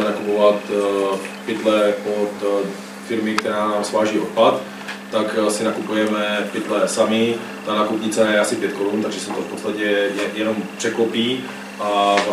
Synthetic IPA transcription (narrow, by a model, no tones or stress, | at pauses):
nakupovat̪ | pɪt̪lɛpot̪ | fɪɾmɪkt̪ɛɾaːnaːmsvaːʒiːʔot̪̚pat̪ː | aksɪnakupujɛmɛpɪt̪lɛsamɪ | t̪anaːkupɲɪt͡sɛnajɛasɪpjɛt̪koɾunt̪aɡʒɛsɛwt̪ofpot͡st̪acɛjɛjɛnompr̝̥ɛklopiː | ʔaa